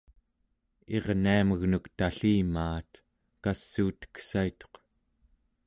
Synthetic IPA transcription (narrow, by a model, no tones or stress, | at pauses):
e̞ʁniaməɣnukt̪aɬiːmaːt̪ | kasːuːt̪ə̥ksait̪o̥q